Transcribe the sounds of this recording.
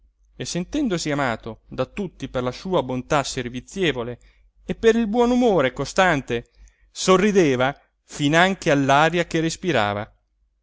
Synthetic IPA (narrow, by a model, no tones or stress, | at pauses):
esːent̪ɛnd̪osiamaːt̪od̪at̪ut̪ːiperlasuːabont̪asːervit̪sːjeːvoleː | pːeɾilbwɔnumoːɾekost̪ant̪e | sorːid̪eːva | finaŋk̟ealːaːɾjak̟erespiɾa̰ːva̰